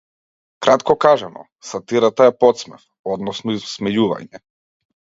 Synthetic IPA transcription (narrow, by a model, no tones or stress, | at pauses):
kɾat̪kɔkaʒanɔ̰ | sat̪iɾat̪aɛpɔt̪smɛf | ɔd̪nɔsnɔizsmɛjuva̰ɲɛ